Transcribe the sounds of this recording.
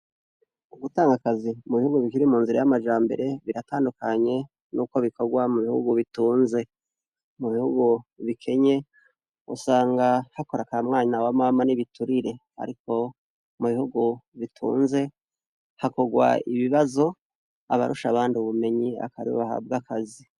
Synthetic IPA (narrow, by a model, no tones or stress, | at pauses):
uɡutaːŋɡakazimuβihuɡuβikiɾimuːnziɾajamad͡ʒaːmbe̞̰ɾe̞βiɾataːndukaɲe̞ | nuːko̞βiko̞ɡwamuβihṵɡuβituːnze̞ | muβihuɡuβikʰe̞ɲe̞ | ṵsaːŋɡahako̞ɾakamŋaːɲawamamaniβituɾiɾe̞ha̰ɾiko̞ | muβihuɡuβitʰṵːnze̞ | hako̞ɡwa̰iβiβazo̞ | a̰βa̰ɾuʃaβaːnduβume̞ɲia̰kaɾio̰βaha̰b̚ɡakazi